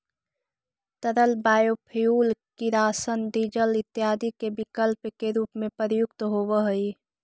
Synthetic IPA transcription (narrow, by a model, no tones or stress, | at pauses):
t̪əɾəlbaːjoːpʰijuːlkiɾaːsənɖiːd͡ʒəlɪt̪ːjaːd̪ikebɪkəlpkeɾuːpmẽpəɾjʊkt̪ɦoːʋəɦəi